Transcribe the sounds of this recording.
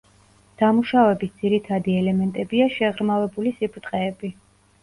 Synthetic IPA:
d̪̥amuʃavɛbisd̪z̥iɾit̪ʰad̪iɛlɛmɛnt̪ʼɛbiaʃɛʁɾmavɛbulisipʰt̪ʼqʼɛːbi

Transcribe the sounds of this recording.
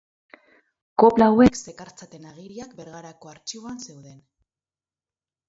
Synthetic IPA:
ko̞plaːwekse̞kaɾt͡sat̪e̞naɣ̞iɾiak̚be̞ɾɣaɾako̞aɾt͡ʃiβoanse̞wðe̞n

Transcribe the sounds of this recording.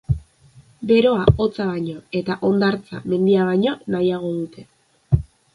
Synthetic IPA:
be̞ɾo̞ao̞t͡saβaɲoe̞t̪aʔo̞nd̪aɾt͡sa̰me̞nd̪iaβaɲonajaɣ̞o̞ðut̪ʰe̞

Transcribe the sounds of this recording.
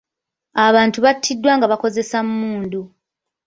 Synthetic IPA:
aβaːntuβatʰːidːwaːŋɡaβako̞ze̞sammuːndu

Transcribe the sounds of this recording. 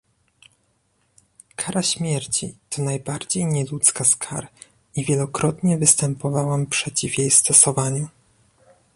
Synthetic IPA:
kʰaɾaɕmʲjɛɾt͡ɕḭt̪ʰɔnajbaɾd͡ʑejɲɛlut̪skaskʰa̰ɾ | ivʲjɛlɔkɾɔt̪ɲɛvɘst̪ɛmpɔvawampʂɛt͡ɕivjejst̪ɔsɔvaɲu

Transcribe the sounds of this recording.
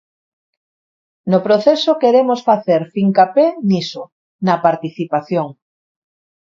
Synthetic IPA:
nopɾoθesokeɾemosfaθeɾfiŋkapeniso | nɐpaɾt̪iθipaθjoŋ

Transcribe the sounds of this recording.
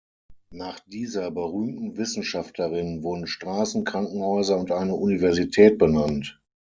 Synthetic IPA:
naːχd̥iːzɐbəʁyːmtn̩vɪsn̩ʃaftʰləʁɪnvʊɐdn̩ʃtʁ̥aːsn̩kʁ̥aŋkŋ̩hɔʏzɐʊntʔaɪnəʔunivɛɐzitʰɛːt̚b̥ənant

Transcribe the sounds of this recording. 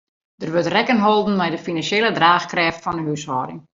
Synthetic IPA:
d̥ərʋøtrɛkənɦolˠdn̩mɛjdəfinanselˠədraːxkrɛːftfɔndəɦyshɔːdɪŋ

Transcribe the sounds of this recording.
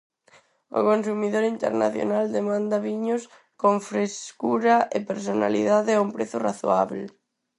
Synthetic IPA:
ʊ̰konsumiðoɾint̪ḛɾna̰θjo̰nald̪emãnd̪ɐβiɲʊs | koŋfɾeskuɾɐʔepeɾsona̰lḭðaðeɛumpɾeθʊraθoaβle

